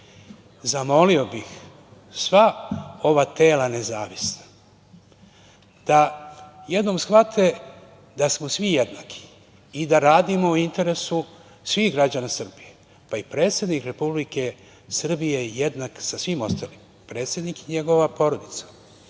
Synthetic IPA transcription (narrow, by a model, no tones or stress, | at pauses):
zamo̞lio̞bix | sʋao̞ʋat̪e̞ːlane̞zaːʋisnḁ | d̪̥aje̞d̪no̞msxʋat̪ʰe̞ | d̪asmo̞sʋijed̪naːkʰi̥ː | d̪aɾaːd̪imouint̪e̞ɾe̞su | sʋiːxɡɾad͡ʑanasr̩bije̞ | paipɾe̞ːt̪sje̞d̪nikɾe̞publike̞ | sr̩bijejed̪naksasʋimo̞st̪aːlim | pɾe̞ːt̪sʲje̞d̪nikiɲe̞ɡo̞ʋapo̞ɾod̪it̪sḁ